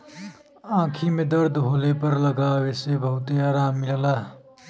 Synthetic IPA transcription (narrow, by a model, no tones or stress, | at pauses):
ãːkʰimẽd̪əɾd̪ʱɦoːlepɐɾləɡaːwesebɐɦʊt̪eaːɾaːmːiɾəlaː